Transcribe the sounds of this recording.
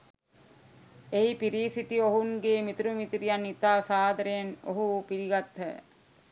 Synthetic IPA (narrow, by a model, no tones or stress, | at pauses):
eipiɾiːsiʈioɦuŋɡeːmit̪uɾumit̪ɾijanit̪aːsaːd̪əɾejeno̰ɦupiɾiɡat̪ːə̰